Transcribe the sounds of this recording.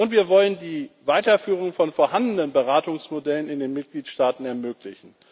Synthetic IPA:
ʊntv̥iːɐvɔləndiːvaɪtɐfyːʁ̞ʊŋfɔnfoːɐhandnənbəʁaːtʊŋsmodɛlənɪndeːnmɪt̚ɡ̥liːtʃtaːtn̩ɛɐmøːklɪçn̩

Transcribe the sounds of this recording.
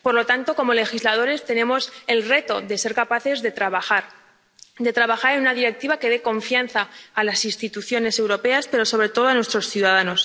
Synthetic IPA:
po̞ɾlo̞t̪ant̪o̞ko̞mo̞le̞xizlað̞o̞ɾe̞st̪e̞nẽ̞mo̞se̞lre̞t̪o̞ðe̞se̞ɾkapaθe̞zðe̞t̪ɾaβaaɾ | d̪e̞t̪ɾaβaxaɾenunaðiɾe̞k̚t̪iβake̞ð̞e̞ko̞ɱfjanθaːlasinst̪it̪uθjo̞ne̞se̞wɾo̞pe̞aspe̞ɾo̞so̞βɾe̞t̪o̞ð̞oanwe̞st̪ɾo̞sθjuð̞að̞ano̞s

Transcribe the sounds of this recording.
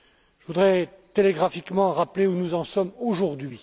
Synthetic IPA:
ʒəvud̪ʁɛ | t̪eleɡʁafikmɑ̃ʁapleunuzɑ̃sɔmoʒuʁd̪ɥi

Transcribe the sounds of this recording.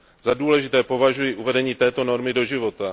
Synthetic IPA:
zaduːlɛʒɪt̪ɛːpo̞vaʒujiʔuvɛdɛɲiːt̪ɛːt̪o̞no̞ɾmɪdo̞ʒɪvo̞t̪a

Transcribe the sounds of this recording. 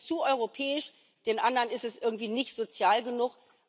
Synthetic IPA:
t͡suʔɔʏʁ̞opʰɛːɪʃ | d̥eːnʔandəʁənɪstɛsʔɪɐɡŋ̩tv̥iːnɪçtz̥ot͡sjaːlɡənuχ

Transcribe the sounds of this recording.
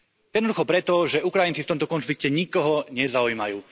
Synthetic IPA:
jɛd̪nɔd̪uxɔpɾɛt̪ɔʒɛukɾajint͡sift̪ɔmt̪ɔkɔnflik̚cɛɲikɔɦɔɲɛzaujmajuː

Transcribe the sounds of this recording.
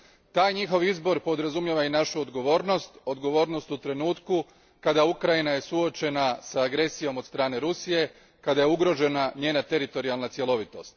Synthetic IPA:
t̪aːjɲixo̞ʋizbo̞ɾpo̞d̪ɾazumjeʋainaʃuod̪ɡo̞ʋo̞ːɾno̞st̪o̞d̪ɡo̞ʋo̞ːɾno̞st̪ut̪ɾe̞nuːt̪ku | kad̪aukɾajinaje̞suo̞t͡ʃe̞nasaːɡɾe̞sijo̞mod̪st̪ɾaːne̞ɾusije̞ | kad̪aje̞uɡɾo̞ʒe̞naɲe̞ːnat̪e̞ɾit̪o̞ɾialˠnat̪sje̞lo̞ʋit̪o̞̰st̪

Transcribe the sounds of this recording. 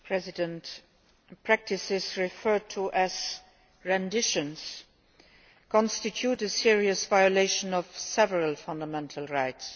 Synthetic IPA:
pʰɹ̥ɛzɪdə̃nt | pʰɹ̥æk̚tʰɪsɪzɹɪfɜ˞d̚tʰuʔæz̥ | ɹɛ̃ndɪʃə̃ns | kʰɔ̃nstɪtʰjutəsiɹiəsvaɪəleɪʃə̃nɔvsɛvəɹəlfãndəmɛ̃ntʰəlɹaɪts

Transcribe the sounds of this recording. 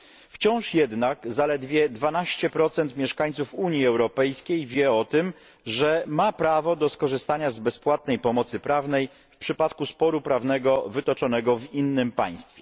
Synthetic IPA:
ft͡ɕɔ̃w̃ʂjɛd̪nakzalɛd̪vʲjɛd̪vanaɕt͡ɕɛpɾɔt̪sɛnt̪mʲjɛʂkaɲt̪sufuɲjiɛwɾɔpɛjskʲejvʲjɛɔt̪ɘm | ʐɛmapɾavɔd̪ɔskɔʐɘst̪aɲazbɛspwat̪̚nɛjpɔmɔt̪sɘpɾavnɛj | fpʂɘpat̪kuspɔɾupɾavnɛɡɔvɘt̪ɔt͡ʂɔnɛɡɔvinːɘmpaj̃st̪fʲɛ

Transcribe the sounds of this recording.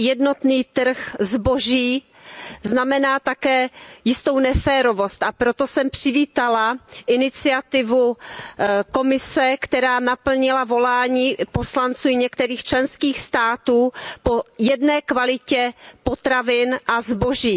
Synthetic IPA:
jɛdno̞t̪niːt̪r̩xzbo̞ʒiː | znamɛnaːt̪akɛːjɪst̪o̞wnɛfɛːɾo̞vo̞st̪ʔapɾo̞t̪o̞sɛmpr̝̥ɪviːt̪alaʔɪnɪt͡sɪat̪ɪvu | ko̞mɪsɛkt̪ɛɾaːnapl̩ɲɪlavo̞laːɲiːpo̞slant͡suːɲɛkt̪ɛɾiːxt͡ʃlɛnskiːxst̪aːt̪uːpo̞jɛdnɛːkvalɪcɛpo̞t̪ɾavɪnʔazbo̞ʒiː

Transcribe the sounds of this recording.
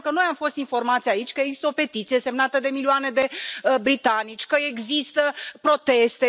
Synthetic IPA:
kəno̞jamfo̞st̪info̞rmat̪sʲjait͡ʃʲkəeɡzi̥st̪əope̞t̪it̪sije̞se̞mnat̪əd̪e̞milioane̞d̪e̞bɾit̪anit͡ʃʲkəeɡzist̪əpɾo̞t̪e̞st̪e

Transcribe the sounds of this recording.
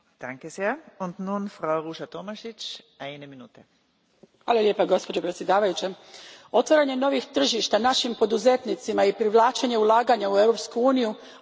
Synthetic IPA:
d̥aŋkez̥eːɐʊnt̪nuːnfɾaʊʁuːʃɐt̪omaʃɪt͡ʃʔaɪneminuːt̪ɛ | hʋaːlˠalʲje̞paɡo̞spo̞d͡ʑo̞pɾet̪sʲje̞d̪aːʋajut͡ʃe | o̞t̪ʋaɾaɲe̞no̞ʋixt̪r̩ʒiʃt̪anaʃimpo̞d̪uze̞t̪nit̪simaipɾiʋlˠaːt͡ʃeɲe̞ulˠaːɡaɲaue̞ʋɾo̞pskuuːniju

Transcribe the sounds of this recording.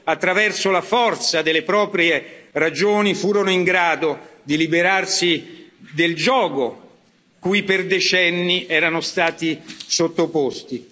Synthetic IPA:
at̪ːɾavɛrsolafɔrt̪sad̪elepɾɔːpɾjerad͡ʒoːnifuːɾonoiŋɡɾaːd̪od̪ilibeɾarsid̪eld͡ʒɔːɡo | kujperd̪et͡ʃɛnːiʔɛːɾanost̪aːt̪isot̪ːopost̪i

